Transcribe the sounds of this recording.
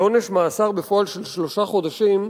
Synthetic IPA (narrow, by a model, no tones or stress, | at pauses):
o̞ne̞ʃmaːsaʁbefo̞alʃelʃlo̞ʃaχo̞d̪aʃim